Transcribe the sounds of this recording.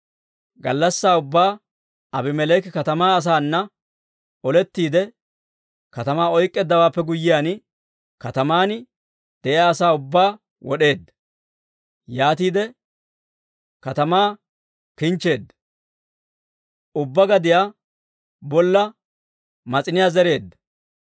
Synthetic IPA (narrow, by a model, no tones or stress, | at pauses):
ɡɐlːɐsːaːʊbːaː | ɐbɪmɛleːkɪkɐt̪ɐmaːɐs̬aːnːɐ | ɔlɛt̪ːiːd̪ɛ | kɐt̪ɐmaːɔjkʼːɛd̪ːɐwaːpːɛɡʊjːɪjaːn | kɐt̪ɐmaːnɪ | d̪̥ɛʔɪaːsaːʊbːaː | wɔ̰ɗe̞ːd̪ːɐ | jaːt̪̬iːd̪ɛ | kɐt̪ɐmaː | kɪnt͡ʃːe̞ːd̪ːɐ | ʊbːɐɡɐd̪ɪjaː | bɔlːɐ | mɐt͡sʼɪnɪjaːzɛɾe̞ːd̪ːɐ̥